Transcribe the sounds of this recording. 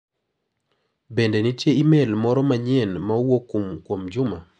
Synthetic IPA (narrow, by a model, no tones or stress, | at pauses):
bendenitjeimelmɔɾɔmaɲɪɛnmawokumkwomd͡ʒʊma